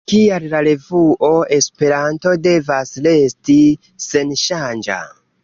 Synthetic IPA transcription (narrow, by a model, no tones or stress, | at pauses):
kiallaɾe̞vuʔoʔe̞spe̞ɾanto̞de̞vasle̞sti | se̞nʃand͡ʒa̰